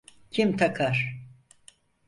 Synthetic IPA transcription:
cʰimt̪ʰakʰaɾ̥

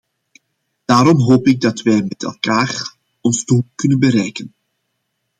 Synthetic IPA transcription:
d̥aːɾɔmɦoːpɪɡ̚dɑtʋɛjmɛtɛ̰lˠkaːr | ɔnzduːlkɵnənbəɾɛjkən

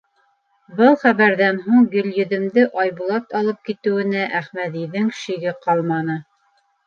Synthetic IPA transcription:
bɤlˠχæβæɾðænɦuɴjɵ̆ljɵ̆ðɘ̆md̪ɘʔɑjβulˠɑt̪ɑlˠɤp̚kit̪ɘ̆wɘ̆næʔæχmæðiðɘŋʃiɡɘqɑlˠmɑnɤ

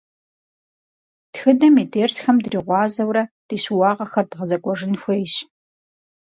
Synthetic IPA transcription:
txɨdɐmiːdeːrsxɐmdriːʁʷɑːzɐwɾɐd̥iːɕuwɑːʁɐxɐrdʁəzɐkʷʼɔʐɨnxʷejɕ

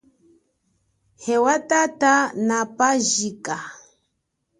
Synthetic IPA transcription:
hɛwatatanapaʒika

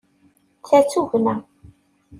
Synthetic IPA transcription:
θæt͡sːuvnæ

